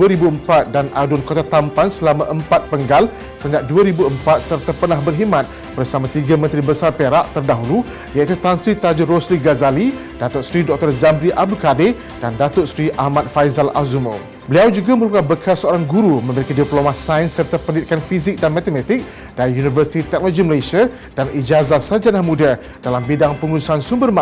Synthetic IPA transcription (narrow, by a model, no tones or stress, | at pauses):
uəɾibuəmpat̪̚danʔadʊnkot̪at̪ampansəlamãʔəmpat̪̚pəŋɡal | səɲd͡ʒaʔ̚duaɾibuəmpat̪̚sərt̪apənahbərɦimãt̪̚ | b̥ərsamãt̪iɡamənt̪ɾibəsarpeɾaʔt̪ərdaɦulu | jait̪ut̪ansɾit̪ad͡ʒuɾosliɡazali | d̥at̪ʊʔsɾidɔk̚t̪ɔrzambɾiʔabukade | d̥andat̪ʊtsɾiʔahmãt̪̚fajzala̰zumo̰ | bəliawd͡ʒuɡaməɾukabəkʰasəoɾaŋɡuɾumə̃məɾikandiplomasajnsːərt̪apənit̪̚kanfizik̚danmat̪emat̪ik̚ | d̥aɾijunivərsi̥t̪it̪ɛk̚noloɡiməlesia | d̥anid͡ʒazat̪sad͡ʒanamũda | d̥alambidaŋpəŋuusansumbərma